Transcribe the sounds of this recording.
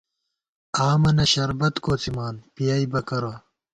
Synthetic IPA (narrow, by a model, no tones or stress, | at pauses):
aːmɐnɐɕɐɾbɐt̪koːt͡simaːnpijaːibɐkɐɾaː